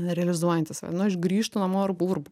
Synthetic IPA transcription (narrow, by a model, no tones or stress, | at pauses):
ɾʲɛɐlʲɪzuɔjɛnʲt̪ʲɪsɐ̰nʊɪʃɡɾʲiːʃt̪ʊnɐmoːɪrbuːrb